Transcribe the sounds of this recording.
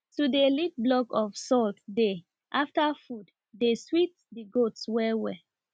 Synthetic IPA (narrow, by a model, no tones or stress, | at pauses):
tudilit̚blɔkɔv̥sɔltde | ʔaftəfud | deswit | diɡotswɛwɛ